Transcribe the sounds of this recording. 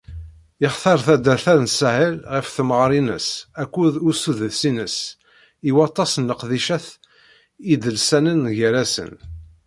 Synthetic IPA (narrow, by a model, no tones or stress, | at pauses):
ɪχθɑɾˤθæd̪æθæðnshəlʁəfθəmʁɾˤinə̰sækʷːuðusuðsinəs | iwɑt̪ˤːɑsənləqðiʃæθ | id̪əlsænənʝəɾæsə̰n